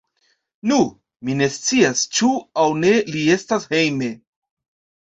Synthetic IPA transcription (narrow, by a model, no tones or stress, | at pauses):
nu | mine̞st͡siast͡ʃuawne̞lie̞stashe̞jme̞